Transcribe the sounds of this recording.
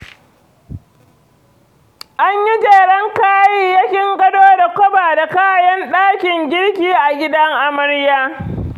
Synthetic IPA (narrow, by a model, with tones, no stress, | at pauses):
ʔa˦ɲji˦d͡ʒeː˨ɽɐ˦ŋkaː˦jiː˦ja˦kʲɪ˦ŋɡɐ˦doː˦da˨kʷɔ˦baː˨da˨kaː˦jɐ˦nɗaː˦kʲɪ˨ŋɡʲɪ˦ɽkʲiː˦ʔa˨ɡʲɪ˦dɐ˦ŋʔa˨mɐ˦ɽjaː˦